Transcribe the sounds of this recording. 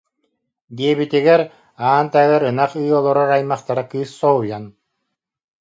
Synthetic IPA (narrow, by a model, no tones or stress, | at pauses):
d̪iɛbit̪iɡɛɾ | aːnt̪æɡɛɾɯnaχɯːɔlˠɔɾɔɾajmaχt̪aɾakɯːsːɔɦujan